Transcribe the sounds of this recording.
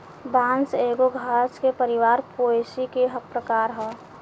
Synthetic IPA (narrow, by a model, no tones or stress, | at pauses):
bãːnseːɡoɡʱaːskepəɾɪʋaːɾpoːesikeɦəpɾəkaːɾɦɛː